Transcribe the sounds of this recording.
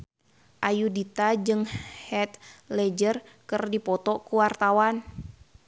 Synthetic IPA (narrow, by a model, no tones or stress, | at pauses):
ʔajudit̪ad͡ʒɨŋhɛt̪̚lɛd͡ʒərkɨrdipɔt̪ɔkuwart̪awan